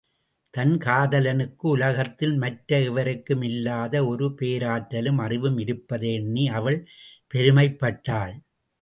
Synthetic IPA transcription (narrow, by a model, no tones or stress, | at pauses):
t̪ɐnkaːðɐlɐnɯkːɯʊlɐɣɐt̪ːɪlmɐʈɾɐɛʋɐɾɯkːɯmɪlːaːðɐɔɾɯpeːɾaːʈːɐlɯmɐrɪʋɯmɪɾɯpːɐðenːiɐʋɐɭpɛɾɯmɐɪpːɐʈːaːɭ